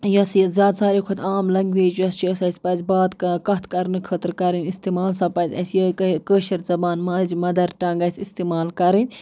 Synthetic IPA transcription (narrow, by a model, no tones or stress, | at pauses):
jɐsjɐzʲaːd̪saːɾikʰɐt̪ʰaːmlɐŋɡʲʋeːd͡ʒjost͡ʃjosɐsʲpɐzʲbaːt̪kɐkɐt̪ʰkɐɾnɨkʰət̪ɾkɐɾinist̪iːmaːlsãːpɐzʲɐ̰sjəːkɐikəːʃɐɾzɐbaːnmɐd͡ʒmɐd̪ɐɾʈɐŋɡɐsʲist̪eːmaːlkɐɾinʲ